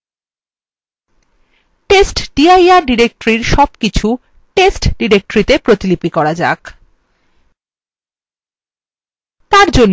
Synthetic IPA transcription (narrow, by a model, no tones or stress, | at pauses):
ʈesʈɖ̥iajaɾɖiɾek̚ʈoɾiɾʃɔbkit͡ɕʰu | ʈesʈɖiɾek̚ʈoɾit̪epɾot̪ilipikɔɾad͡ʑa̰k | t̪aɾd͡ʑonː